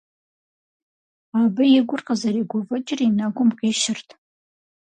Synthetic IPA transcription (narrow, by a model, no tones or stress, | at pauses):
abɨjɪɡʷʊrqʼazaɾiɡʷʊvɨt͡ʃʼɪrinaɡʷʊmqʲʼeʃɪrtʰʼ